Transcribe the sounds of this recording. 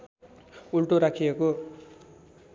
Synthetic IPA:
uɭʈuɾakʰijeku

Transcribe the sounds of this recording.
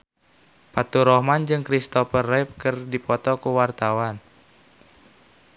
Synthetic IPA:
pat̪uɾɔhmand͡ʒɨŋkɾist̪ɔfərɛp̚kɨrdipɔt̪ɔkuwart̪awan

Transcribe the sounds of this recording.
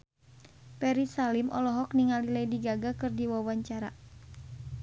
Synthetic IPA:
pɛɾisalimʔɔ̰lɔɦɔk̚niŋalilajdiɡaɡakɨrdiwawaɲt͡ʃaɾa̰

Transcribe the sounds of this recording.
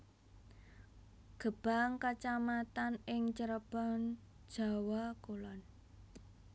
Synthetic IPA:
ɡ̥ə̤b̥a̤ŋkat͡ʃamat̪anɪŋt͡ʃəɾəb̥an | d̥ʒ̥a̤wakolɔn

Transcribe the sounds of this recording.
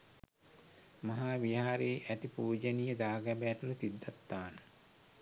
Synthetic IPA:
maɦaːʋiaːɾeːʔæt̪ipuːd͡ʒənijəd̪aːɡæbejɛt̪uləsid̪ːat̪ːaːnə

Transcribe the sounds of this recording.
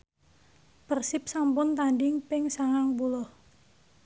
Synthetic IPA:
pərsɪp̚sampʊnt̪anɖɪŋpɪŋsaŋaŋbulɔh

